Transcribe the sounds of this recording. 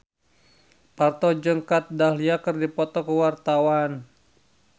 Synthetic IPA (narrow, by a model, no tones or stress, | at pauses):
part̪ɔd͡ʒəŋkat̪̚dahliakɨrdipɔt̪ɔkəwart̪awan